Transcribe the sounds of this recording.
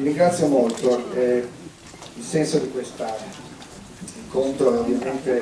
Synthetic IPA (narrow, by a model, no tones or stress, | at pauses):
miɾiŋɡɾat̪sːjomolt̪oɛ | ilsɛnsod̪ikwest̪aɾe | iŋkont̪ɾoovjament̪e